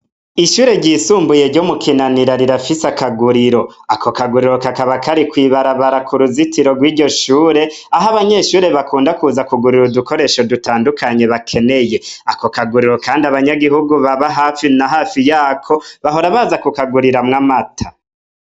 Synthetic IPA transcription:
iʃuːɾe̞ɟiːsuːmbuje̞ɾɟomukʰinaniɾaɾiɾafisakaɡuɾiɾo̞akʰo̞kaɡuɾiɾo̞kakaβakʰaɾikwiːβaɾaβaɾakʰuɾuzitʰiɾo̞ɡwiːɾɟo̞ʃuːɾe̞ | aɦaβaɲe̞ʃuːɾe̞βakuːndakuzakuɡuɾiɾuduko̞ɾe̞ːʃo̞dutaːndukʰaɲe̞βakʰe̞ne̞je̞ako̞kaɡuɾiɾo̞kaːndiaβaɲaɡiɦuɡuβaβaɦafinaɦaːfijaːkʰo̞βaɦo̞ɾaβaːzakukaɡuɾiɾamŋamatʰa

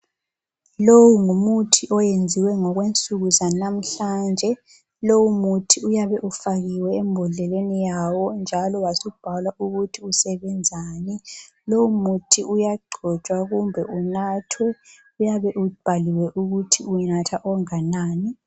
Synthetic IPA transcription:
lowuŋumutʰiʔɔjend͡zʱiwɛŋɔɣwent͡sʼuɣuzanam̩ɬand͡ʒʱɛ | lowumutʰiujaβɛʔufaɣiwɛːmbʱɔɮɛlwenijawɔnd͡ʒʱalɔwasɔub̥ʱalwauɣutʰiusɛβɛnd͡zʱaːni | lowumutʰiʔujaɡ͡ǃʱɔt͡ʃʼwaɣumbʱɛunatʰwɛ | ujaβɛʔub̥ʱaliwɛʔuɣutʰiunatʰaʔɔŋanaːni

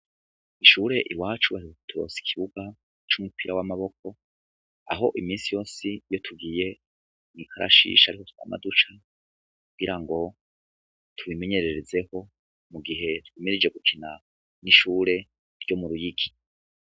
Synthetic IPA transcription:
iʃuɾe̞ʔiwaːt͡ʃuβaɾioutʰuɾo̞̰ːsi̥kʰiβuɡa | t͡ʃumupʰiɾawamaβo̞k̚o̞ | a̰ɦo̞ʔimiːnsijo̞ːsijo̞tʰuɡiːje̞ | nikʰaɾa̰ʃḭːʃaɾihotu̥a̰ma̰dut͡ʃa | kuɡiɾaŋɡo̞ | tʰuβime̞ɲe̞ɾe̞ɾeze̞ho̞ | muɡiɦe̞twiːmiɾid͡ʒe̞ɡukʰina | niʃuːɾe̞ | ɾɟo̞muɾujiɡi

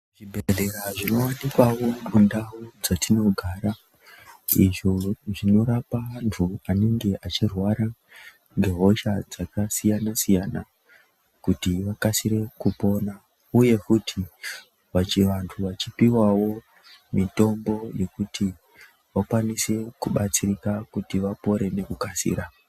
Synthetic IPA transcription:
ʐibʱereɾaʐino̞wanikwawo̞mundaud͡zatino̞ɡʱaːɾa | iʐoʐino̞ɾapantʰuaneŋɡe̞ʔat͡ʃirwaɾa | ŋɡe̞ɦo̞ʃad͡zakasijanasijana | kutiʋakasiɾe̞kupo̞na | uje̞kutʰi | ʋat͡ʃiʋantʰuʋat͡ʃipiwawo̞ | mito̞mbo̞je̞kuti | ʋakwanise̞kuɓat͡sirikakutiʋapo̞ɾe̞ne̞kukasḭːɾa

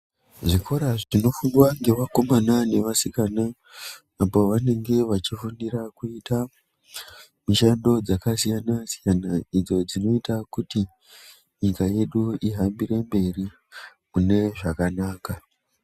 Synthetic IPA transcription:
ʐikʰo̞ɾaʐino̞fuŋdwaŋɡe̞ʋako̞manane̞ʋasikanaː | po̞ʋane̞ŋɡe̞ʋat͡ʃifuniɾakuita | miʃando̞d͡zakasijanasijanaid͡zo̞d͡zino̞itakuti | ɲikaje̞ɗuiɦambiɾe̞mbe̞ri | mune̞ʐakanaːka

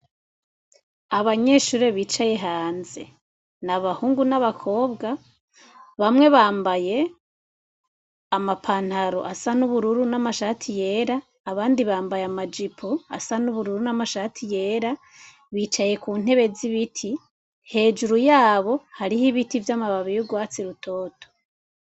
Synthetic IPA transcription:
aβaɲe̞ːʃuːɾe̞βiːt͡ʃaje̞ɦaːnze̞̰ | naβahuːŋɡunaβakʰo̞ːbɡa | βamŋe̞βaːmbaje̞ | amapʰaːn̥haɾo̰ʔasanuβuɾuɾunamaʃatʰije̞ɾaː | βaːndiβaːmbajamad͡ʒipʰoa̰sanuβuɾuɾunamaʃatʰije̞ːɾa | βiːt͡ʃaje̞kuːn̥e̞βe̞ziβitʰi | he̞ːd͡ʒuɾujaːβo̞haɾihiβitivjamaβaβijuɡwaːt͡siɾutʰo̞ːtʰo̥

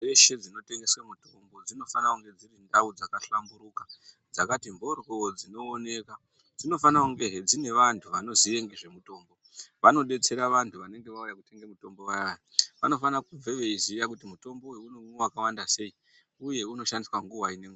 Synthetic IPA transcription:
eʃe̞d͡zino̞te̞ŋɡe̞swamutombo̞d͡zino̞fanakuŋɡe̞d͡zirindaud͡zakaɬambuɾuka | d͡zakatimbo̞rood͡zino̞ːne̞ka | d͡zino̞fanakuŋɡe̞ɦed͡zine̞ʋantʰuʋano̞zie̞ŋɡeʐe̞muto̞ːmbo̞ | ʋano̞ɗe̞t͡se̞ɾaʋantʰuʋane̞ŋɡe̞ʋaujakute̞ŋɡemuto̞mbo̞waaʋa̰no̞fanakuvʱe̞ʋe̞izijakutimuto̞mboweunowakawandase̞i | uje̞uno̞ʃandiswaŋɡuwaine̞ŋɡua

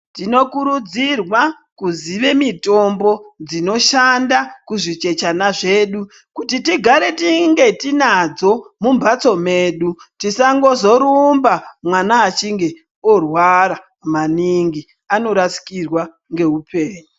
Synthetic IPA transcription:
tino̞kuɾud͡zirwa | kuziʋe̞mito̞mbo̞d͡zino̞ʃandakuʐit͡ʃe̞t͡ʃanaʐe̞ːɗu | kutitiɡʱaɾe̞tiŋɡe̞tinad͡zo̞mumbʱat͡so̞me̞ːɗutisaŋɡo̞zo̞ɾumbamwanaːt͡ʃiŋɡe̞ | orwaɾa | maniŋɡi | ano̞ɾasi̥kirwa | ŋɡe̞ɦupe̞ːɲu

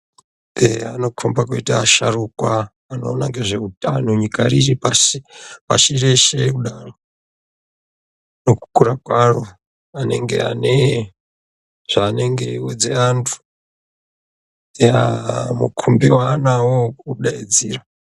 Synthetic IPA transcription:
ḛano̞kʰombakuitaːʃarukwaː | no̞ːnaŋɡe̞ʐe̞utanuɲikaɾiripaipa̰ʃire̞ʃekuɗaro | no̞ku̥kuɾakwaro̞ | ane̞̰ŋɡe̞̰a̰ne | ʐ̥aːne̞ŋɡe̞iwod͡ze̞antʰu̥ | eamṵkʰumbiwaːnawokuɗaid͡ziːra

